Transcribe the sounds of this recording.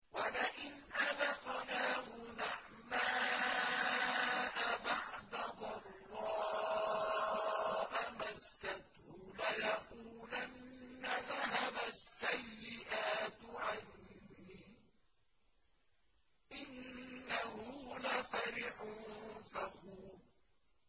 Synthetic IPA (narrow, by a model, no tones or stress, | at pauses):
walaʔɪnʔalɑq̪naːhʊnaħ | maː | ʔabaʕd̪aðˤɑrːɑː | ʔamasːat̪hʊlajɑquːlanːaðaɦabasːajːɪʔaːt̪ʕanːiː | ʔɪnːahʊlafaɾɪħʊnfahuːɾ